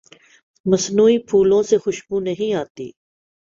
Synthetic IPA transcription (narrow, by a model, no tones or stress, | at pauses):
mɐsnuːipʰuːlõsexʊʃbunɐɦĩaːt̪ḭː